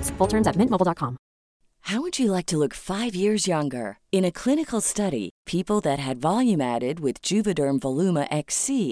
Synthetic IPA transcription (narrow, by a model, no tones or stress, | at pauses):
sfʊlˠtʰɜ̃˞mzɨt̚mɪ̃nmoʊbl̩ˠdɑt̚kʰɑ̃m | haʊwɨd͡ʒɨlaɪk̚tʰəlʊkfaɪvjɪɹzjʌ̃ŋɡə̰˞ɨ̃ñɨkʰl̥ɪ̃ñɨkl̩ˠstʌɾḭpʰipl̩ˠðɨt̚ɦɨdvɑlˠjʉ̃mæɾɪd̚wɪðd͡ʒʉvɨdə˞mvəlʉməʔɛksi